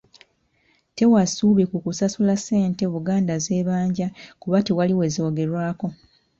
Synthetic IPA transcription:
te̞wasuːβikukusasulase̞ːnte̞βuɡaːndaze̞ːβaːɲɟakuβatiwaliwe̞zio̞ːɡe̞ɾwaːko̞

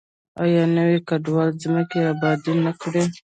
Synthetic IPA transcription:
ajɑnəwekaɖwɑlziməkeabɑd̪inəkɽe

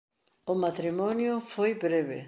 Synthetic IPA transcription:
ʊmat̪ɾimɔnjʊfojbɾeβḛ

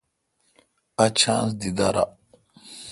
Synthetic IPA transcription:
at͡ʃʰãːns̬d̪id̪aɾa̰

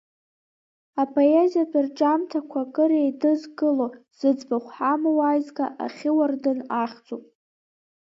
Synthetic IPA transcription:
apʰo̞jezijapʰʷʼɨrʈ͡ʂʼamtʰakʷʰakʼɨɾejdɨzɡɨloz̥ɨd͡zbaχʷħamawajzɡaʔaχʲɪwardɨnaχʲt͡sʼopʼ

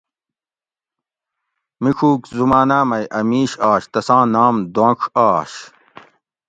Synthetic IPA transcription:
mikʰuːkzumaːnaːmɐjʔɐmiːɕaːɕt̪ɐsãːnaːmd̪õːkʰaːɕ

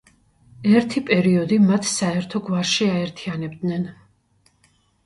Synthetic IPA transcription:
ɛɾt̪ʰipʼɛɾiɔd̪imat̪ʰsaɛɾt̪ʰɔɡwaɾʃiaɛɾt̪ʰianɛb̚d̪nɛn

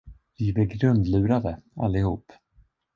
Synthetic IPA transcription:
vɪvɛɡɾɵnd̪lʉ̟ːɾad̪əa̰lːɪhuːp

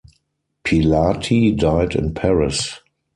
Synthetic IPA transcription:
pʰilatʰidaɪdɪ̰̃npʰɛɹɪs

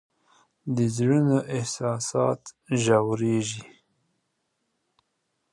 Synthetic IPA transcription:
d̪əzɽənoʔɪhsɑsɑt̪ʒawɾeʒi

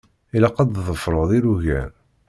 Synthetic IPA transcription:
ilæqɑd̪ðˤəfɾˤəðˤiɾuʝæ̰n

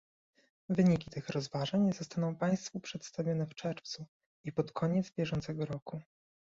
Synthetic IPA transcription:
vɘɲikʲit̪ɘxɾɔzvaʐaɲzɔst̪anɔ̃w̃paj̃st̪fupʂɛt̪st̪avʲjɔnɛft͡ʂɛɾft̪su | ipɔt̪kʰɔɲɛd̪zbʲjɛʐɔnt̪sɛɡɔɾɔku

